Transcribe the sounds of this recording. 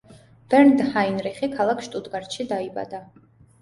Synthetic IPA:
b̥ɛɾnd̪hainɾiχikʰalˠakʰʃt̪ʼud̪ɡaɾt̪ʃid̪aiba̰d̪a

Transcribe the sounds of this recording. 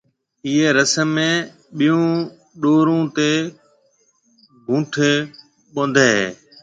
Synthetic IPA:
iːeːɾəsəmːẽː | ɓɪjũː | ɗoːɾũːt̪eː | ɡʱũːʈʰeː | ɓõnd̪ʱeːɦḛː

